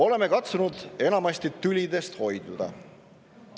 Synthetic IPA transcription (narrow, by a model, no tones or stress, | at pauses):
o̞le̞me̞kɑt̪sunud̪̥e̞nɑmɑst̪it̪ylʲid̪e̞st̪ho̞jd̪̥ud̪̥ɑ̰